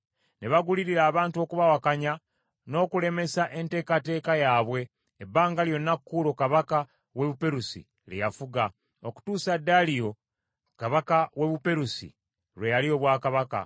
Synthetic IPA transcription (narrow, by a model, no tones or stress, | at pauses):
neβaɡuliɾiɾaːβaːntuo̞kuβawakaɲa | no̞ːkule̞me̞saʔe̞nte̞ːkate̞ːkajaːβwe̞ː | baːŋɡaljo̞nːakːuːlo̞kaβaka | we̞βupe̞ɾusḭ | lejafuɡa | oku̥tuːsadːalijo̞ | kaβakawe̞βupe̞ɾusḭ | ɾwe̞jalio̞βwaːkaβaka̰